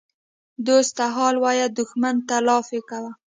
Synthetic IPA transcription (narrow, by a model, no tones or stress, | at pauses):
d̪ost̪aɦɑlwɑjad̪ʊxmant̪alɑfekawa